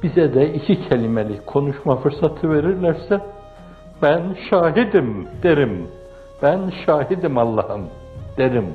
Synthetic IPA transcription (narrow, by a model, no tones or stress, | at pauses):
b̥izɛd̪ɛicʰicʰɛlʲimɛlʲikʰo̞nuʃmafɯɾsat̪ʰɯveɾiɾlʲæɾsɛ | b̥ænʃaːɦid̪imd̪̥eɾim | b̥ænʃaːɦid̪imɑlˠːɑhɯm | d̪̥eɾim